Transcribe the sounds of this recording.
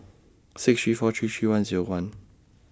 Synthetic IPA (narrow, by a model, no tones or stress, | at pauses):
sɪksʃifɔtʰʉtʰʉwãnziɹowãn